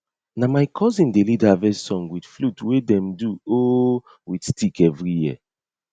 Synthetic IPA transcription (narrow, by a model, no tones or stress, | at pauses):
namajkʰɔzĩndelidavɛsɔ̃ŋwidflutwedɛ̃mduo | widstikɛvɹijiə